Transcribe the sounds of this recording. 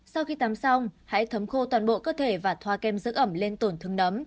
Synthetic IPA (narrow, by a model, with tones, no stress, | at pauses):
sa˧wxi˧t̪aː˨˦msa˧wŋ͡mha̰ː˧˥jt̪ʰə˨˦mxo˧t̪waː˨˩nɓo̰˧˨kəː˧t̪ʰe˧˩vaː˨˩t̪ʰwaː˧kɛ˧mzɨ̰˦˥k̚ʔə˧˩mle˧nt̪o˨˩nt̪ʰɨ˧əŋnə˨˦m